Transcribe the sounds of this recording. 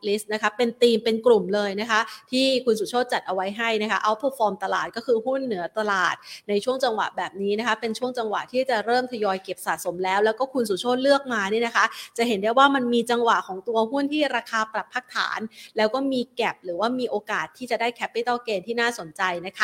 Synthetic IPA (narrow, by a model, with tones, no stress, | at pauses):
li˦˥st̪̚na˦˥kʰa˦˥pe˧nt̪iː˧mpe˧nklu˨˩mlɤː˧jna˦˥kʰa˦˥ʔt̪ʰiː˥˩kʰu˧nsuː˨˩˦t͡ɕʰoː˥˩t̪̚t͡ɕa˨˩t̪̚ʔa˧wa˦˥jɦa˥˩jna˦˥kʰa˦˥ʔa˧˥wpʰo˨˧˩fɔː˧mt̪a˧la̰ː˨˩t̪̚kɔː˥˩kʰɯː˧ɦu˥˩nːɯ˩˦ɐt̪a˧la̰ː˨˩t̪̚na˧jt͡ɕʰu˥˩əŋt͡ɕa˧ŋwa̰˨˩ʔbɛː˨˩p̚niː˦˥na˦˥kʰa˦˥pe˧nt͡ɕʰu˥˩əŋt͡ɕa˧ŋwa̰˨˩ʔt̪ʰiː˥˩t͡ɕa˨˩ɾɤː˥˩mt̪ʰa˧jɔː˧jke˨˩p̚sa̰ː˨˩t̪̚so˩˦mlɛː˦˥wlɛː˦˥wkɔː˥˩kʰu˧nsu˨˩t͡ɕʰoː˥˩t̪̚lɯ˥˩ək̚maː˧ni˥˩na˦kʰa˦˥ʔt͡ɕa˨˩ʔɦe˩˦nda˥˩jwaː˥˩ma˧nmiː˧t͡ɕa˧ŋwa˨˩ʔkʰɔː˩˦ŋt̪u˧ɐɦu˥˩nt̪ʰiː˥˩ɾaː˧kʰaː˧pɾa˨˩pʰːaː˥˩k̚t̪ʰa̰ː˩˦nlɛː˦˥wkɔː˥˩miː˧kɛ˨˩p̚ɾɯː˩˦waː˥˩miː˧ʔoː˧kaː˨˩t̪ʰːiː˥˩t͡ɕa˨˩daː˥˩jkʰɛ˦˥pːi˦˥˩t̪a˥˩keː˧nt̪ʰiː˥˩naː˥˩so˩˦nt͡ɕa˧jna˦˥kʰa˦˥